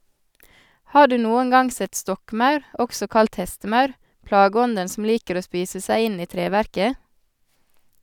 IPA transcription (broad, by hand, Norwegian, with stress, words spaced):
ˈhɑː ˈɖʉː ˈnuːəŋ ˈɡɑŋ ˈsɛt ˈstɔkˌmɑʉɾ ˈɔksɔ ˈkɑlt ˈhɛstəˌmɑʉɾ ˈplɑːˌɡɔndən sm̩ ˈliːkəɾ ˈoː ˈspiːsə ˈsæɪ ˈɪn ˈiː ˈtɾeːˌʋæɾkə